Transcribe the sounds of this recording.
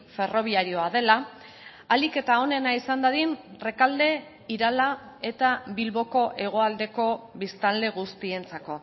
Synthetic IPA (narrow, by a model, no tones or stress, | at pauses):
fe̞ro̞β̞iaɾio̞aðe̞la | alike̞t̪ao̞ne̞naisand̪aðinre̞kald̪e̞ | iɾala | e̞t̪aβilβo̞ko̞ʔe̞ɣ̞o̞ald̪e̞ko̞βist̪ald̪e̞ɣ̞ust̪ie̞nt͡sako̞